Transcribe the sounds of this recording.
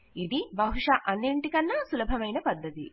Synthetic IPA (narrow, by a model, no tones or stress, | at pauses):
id̪ibɐɦuʂɐʔɐnːiɳʈikɐnːɐsulɐbʱɐmɐjnɐpɐd̪ːɐt̪ḭ